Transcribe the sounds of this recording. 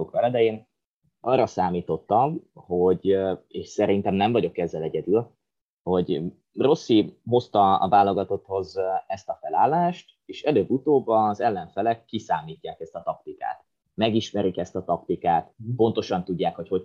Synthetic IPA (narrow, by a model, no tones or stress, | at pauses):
okʋɛlɛd̪ɛjeːn | ɒrːɒsaːmiːt̪o̞t̪ːɒmho̞ɟeːʃsɛɾint̪ɛmnɛɱvɒɟo̞kɛzːɛlɛɟɛd̪yl | ho̞ɟ | ro̞sːiɦo̞st̪ɒɒ̰vaːlːo̞ɡɒt̪o̞t̪ho̞zɛst̪ɒfɛlaːlːaːʃt̪ | eːʃɛløːbːut̪oːbɒzɛlːɛɱfɛlɛkːisaːmiːcːaːkɛst̪ɒt̪ɒk̚t̪ika̰ːt̪ | mɛɡiʃmɛɾikɛst̪ɒt̪ɒkt̪ikaːt̪po̞n̪t̪o̞ʃɒnt̪uɟːaːkho̞cho̞